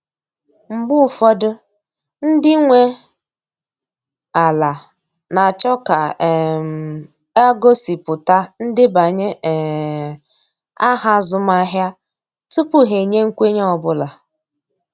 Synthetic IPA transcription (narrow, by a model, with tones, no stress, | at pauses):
m̩˨bʊ˦˨fɔ˦dʊ˦ | n̩˦dɪ˦ŋʷe˦ | a˨la˨ | na˨t͡ʃɔ˦ka˨m˨ | a˦ɡo˦si˨pʊ˨ta˦n̩˦dɪ˦ba˨ɲe˦ɛ˨ | a˦ɦa˦zʊ˦ma˦ɦja˦ | tʊ˦pʊ˨ɦe˨ɲe˦ŋ̩˦kʷe˦ɲ˦ɔ˨bʊ˦la˨